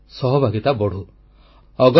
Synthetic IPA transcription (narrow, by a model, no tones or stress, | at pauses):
sɔɦɔbʱaɡit̪abɔɽ̤u | ɔɡɔ